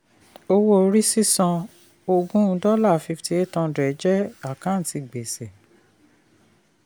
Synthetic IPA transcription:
o˧wo˦˨˧ɾi˦si˦sɔ̃˧ | o˧ɡũ˦˧˦dɔ˦la˦˨fi˧fti˧˦e˦tã˧dɛ˨˦d͡ʒɛ˦a˦˨kã˨˦n̩˨ti˧ɡ͡be˨se˨

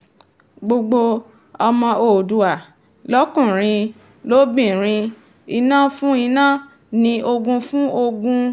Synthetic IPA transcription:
ɡ͡bo˧ɡ͡bo˧ | ɔ˧mɔ̃˧o˦˨du˧a˨ | lɔ˦kũ˦˨ɾ̃ĩ˧ | lo˦bĩ˦˨ɾ̃ĩ˧ | i˧nã˦fũ˦i˧nã˦˨ | nĩ˧ʔo˧ɡũ˧fũ˦o˧ɡũ˧

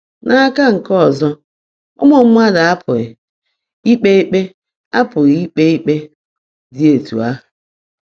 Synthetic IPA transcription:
nʔa˦ka˦ŋ̩˨kɔ˦˨zɔ˦ | ɔ̰˦mɔ˨m̩˦m˦a˦da˨a˦pʰʊ˨ɣɪ˨ | i˦k͡pe˦i˦k͡pe˦ | a˦pʊ˨ɣɪ˨i˦k͡pe˦i˦k͡pe˦ | dɪ˦e˨tṵ˨a˦˨

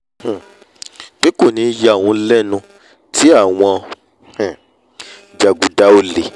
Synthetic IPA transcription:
h̩˨ | k͡pi˦ko˦˨nĩ˨˧˦ja˨˧a˨wũ˧˦lɛ˦nũ˧ | tʰi˦a˦˨w̃ɔ̃˧ | h̩˨ | d͡ʒa˨ɡu˨da˨˦o˦˨le˨

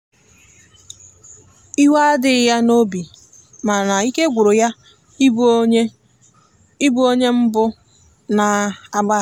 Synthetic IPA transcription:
i˦wa˦dɪ˨ja˦no˦bi˨ | ma˨na˨i˦ke˦ɡʷu˨ɾo˨ja˦ | i˦bu˦o˦ɲe˦m̩˦bʊ˦ | na˨a˦ɡ͡ba˦˨

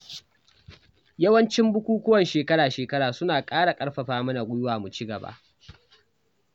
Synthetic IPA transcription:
jɐ˦wɐ˦nt͡ʃɪ˦mbʊ˦kʷuː˦kʷʊ˦wɐ˨nʃeː˨kɐ˦ɽaː˨ʃeː˨kɐ˦ɽaː˨sʊ˦naː˨kʼaː˦ɽa˨kʼɐ˦ɽɸɐ˨ɸaː˦mɐ˦na˨ɡʷʊ˦jʊ˦waː˨mu˨t͡ʃi˦ɡɐ˨ba̰ː˦ʔ

